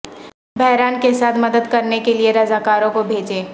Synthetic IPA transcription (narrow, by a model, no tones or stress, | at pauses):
bɛɦɾaːnkesaːt̪ʰmɐd̪əd̪kɐɾnekelieɾɐzaːkaːɾõkobʱeːd͡ʒeː